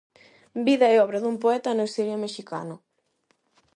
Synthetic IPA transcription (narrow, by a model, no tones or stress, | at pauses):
biðɐeɔβɾɐðumpoɛt̪ɐneseɾameʃika̰nʊ